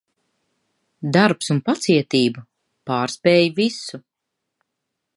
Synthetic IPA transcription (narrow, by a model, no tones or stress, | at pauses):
d̪aɾpsunpat̪siɛt̪iːba | paːɾspɛːjivisu